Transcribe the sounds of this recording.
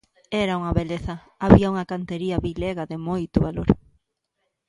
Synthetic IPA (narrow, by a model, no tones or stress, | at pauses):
ɛɾɐuŋɐβeleθɐ | aβiɐuŋɐkant̪eɾiɐβileɣɐðɪmojt̪ʊβaloɾ